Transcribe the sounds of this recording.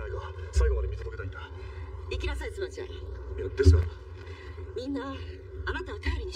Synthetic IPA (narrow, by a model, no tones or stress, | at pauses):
aiɡasaiɡo̞mad̪emʲit̪od̪oket̪aĩnd̪aikʲinasait͡sɨmat͡ɕia̰jad̪̥esɨjo | mʲĩnːa | anat̪aβat̪ajoɾʲiɲ̟i